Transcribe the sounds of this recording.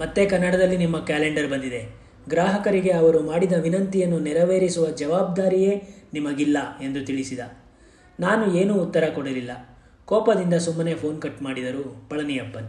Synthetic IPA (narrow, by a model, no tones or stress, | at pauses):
mɐt̪ːe̞kɐnːɐɽɐd̪ɐlːinimːɐkaːleɳɖɐɾbɐnd̪id̪e̞ | ɡɾaːɦɐkɐɾiɡe̞ɐʋɐɾumaːɽid̪ɐʋinɐnt̪ijɐnːunɛɾɐʋeːɾisuʋɐd͡ʒɐʋaːb̚d̪aːɾije̞ːnimɐɡilːɐe̞nd̪ut̪iɭisid̪ɐ | naːnue̞ːnuːt̪ːɐɾɐkɔɽɐlilːɐ | kɔːpɐd̪ind̪ɐsumːɐne̞pʰo̞ːnkɐʈːmaːɽid̪ɐɾuːpɐɭɐnijɐbːɐn